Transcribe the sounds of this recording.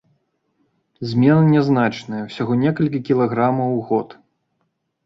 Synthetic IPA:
zʲmʲɛnɨnʲɛznat͡ʂnɐjɐwsʲaɣɔnʲɛkɐlʲkʲikʲilˠaɣɾamɐwɣɔt̪

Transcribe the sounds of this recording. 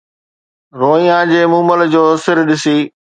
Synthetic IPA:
ɾoːijãːd͡ʑeːmũːməld͡ʑoːsɪɾɗɪsiː

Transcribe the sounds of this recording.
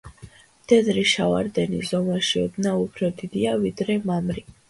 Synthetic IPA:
d̪̥ɛd̪ɾiʃavaɾd̪ɛnḭzɔmaʃiɔb̪naupʰɾɔd̪id̪iavid̪ɾɛmamɾi

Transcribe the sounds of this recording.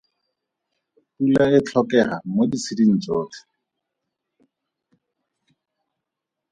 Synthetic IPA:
pulaɪt͡ɬʰɔkɛhamodisidin̩t͡sʼoːt͡ɬḁ

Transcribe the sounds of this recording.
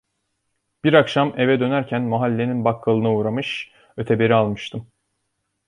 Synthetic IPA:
b̥iɾakʃame̞vɛd̪ø̞næɾcʰænmaɦalʲːe̞ninbakʰːalˠɯnauːɾamɯʃ | ø̞t̪ʰɛbe̞ɾialˠmɯʃt̪ʰɯm

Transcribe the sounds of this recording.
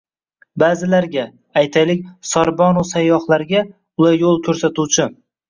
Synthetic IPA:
baːzɪlaɾɡʲaː | jt̪ʰajlɪkʲsɒɾbɒnʊsajːɒhlˠaɾɡʲa | ʊlaɾjolˠkʲʰɵɾsat̪uwt͡ʃʰɪ

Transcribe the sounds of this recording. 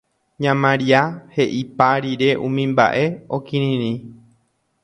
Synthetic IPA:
ɲãmãɾiahe̞ʔipaɾiɾe̞ʔũmĩmba̰ʔe̞okĩɾĩɾĩ

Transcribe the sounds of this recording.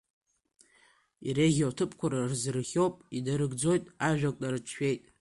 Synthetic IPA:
iɾeʁʲotʰɨpʰʼkʷʊɾarzɨrχʲowpʼidaɾɨɡd͡zo̞jtʼaʒᶣakʷʼtʼaɾɨt͡ʃʰʃᶣe̞jtʼ

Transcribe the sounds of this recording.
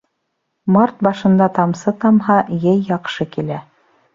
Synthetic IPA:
mɑɾt̪̚bɑʃɤ̆nd̪ɑt̪ɑmsɤt̪ɑmɦɑjɘjːɑqʃɤkilæ

